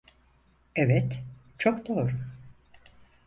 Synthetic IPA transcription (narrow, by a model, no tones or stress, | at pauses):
ɛvɛt̪ | t͡ʃʰokd̪oːɾu